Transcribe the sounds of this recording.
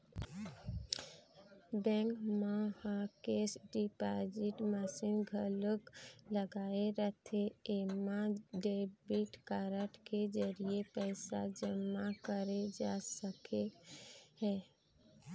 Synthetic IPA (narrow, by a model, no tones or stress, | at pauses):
bɛ̃ŋkmahakeːsɖipad͡ʒɪʈmɛsinɡʱələkləɡaːeɾət̪ʰeemaɖebiʈkaːɾəʈʰked͡ʒəɾiepɛɪsad͡ʒəmakəɾed͡ʒaːsəke | hɛː